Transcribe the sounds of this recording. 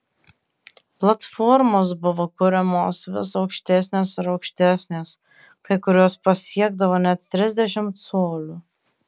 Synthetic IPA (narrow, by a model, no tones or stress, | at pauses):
plˠɐt̪fɔɾmoːs̬bʊʋoːkʊɾʲɛmoːsʋʲɪ̰sɒʊkʃʲt̪ʲæsʲnʲeːsɪɾɐʊkʃʲt̪ʲæsʲnʲeːs | kɐɪkʊɾʲoːspɐsʲiɛɡd̪ɐʋoːnʲɛt̪̚t̪ʲɾʲɪzʲd̪ʲɛʃʲɪmt̪soːlʲu